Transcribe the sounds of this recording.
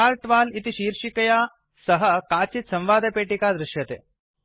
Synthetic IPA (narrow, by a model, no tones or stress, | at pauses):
aːɾʈʋaːlit̪iʃiːɾʃikɐjaː | sɐɦəkaːt͡ɕit̪sɐ̃mʋaːd̪epeːʈikad̪ɾɪʃjɐt̪ḛː